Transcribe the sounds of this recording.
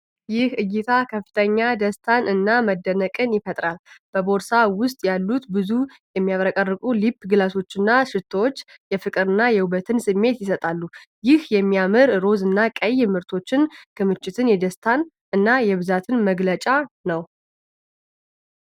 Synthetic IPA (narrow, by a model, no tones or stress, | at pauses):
jɪhɨjːɪt̪ʰakʰəfːɨ̥t̪ʰəɲːad̪əst̪ʰanʔɨnːaməd̪ːənəkʼɨnjɪfət̪ʼɾalb̥əbo̞ɾsawʊst̪ʼjalːut̪bɨzu | jɛmːijaβɾəkʼərːɨkʼulipːɡɨlaso̞t͡ʃːɨnːaʃɨt̪ʰwot͡ʃːjɛfɨkʼɨɾɨnːajɛwuβət̪ʰɨnsɨmːe̞t̪jɪsət̪ʼalːujɪhjɛmːijamɨɾɾo̞zɨnːakʼəjmɨɾt̪ʰo̞t͡ʃːɪnkʰɨmɨt͡ʃʼːɪt̪ʰɨnjɛd̪əst̪ʰan | ɨnːajɛβɨzat̪ʰɨnməɡlət͡ʃʼanəw